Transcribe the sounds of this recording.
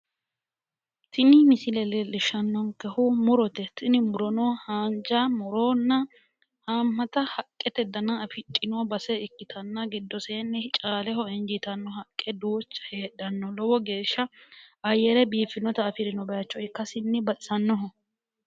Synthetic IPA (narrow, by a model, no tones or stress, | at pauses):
t̪ʰɪnɪmɪsɪlɛlɛlɪʃɐnːɔŋkɛhumʊɾɔt̪ɛt̪ɪnɪmʊɾɔnɔhaːnd͡ʒamʊɾonːɐ | haːmːɐt̪ɐhɐkʼːɛt̪ɛd̪ɐnɐːfɪt͡ʃʼːɪnɔbɐsɛɪkːɪt̪ʰɐnːɐɡɪd̪ːɔseːnːɛt͡ʃʼaːlɛɦɔɛnd͡ʒɪt̪ɐnːɔɦɐkʼːɛd̪uːt͡ʃːɐ̥heːdɐnːɔlɔwɔɡe̞ːʃːɐɐjɛɾɛbiːfːɪnɔt̪ɐːfɪɾɪnɔbɛjɐt͡ʃːɔɪkːɐsɪnːɪbɐʔʼɪsɐnːɔɦɔ